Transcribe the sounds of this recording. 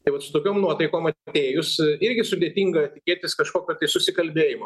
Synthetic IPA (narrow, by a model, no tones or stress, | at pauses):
t̪ɐɪʋɐt̪sʊt̪oːkʲoːmnuɔt̪ɐɪkoːmɐt̪ʲeːjʊsɪɾʲɡʲɪsʊd̪ʲeːt̪ʲiŋɡɐt̪ʲɪkʲeːt̪ʲɪskɐʃkoːkʲoːt̪ɐɪsʊsʲɪkɐlʲbʲeːjɪmɐ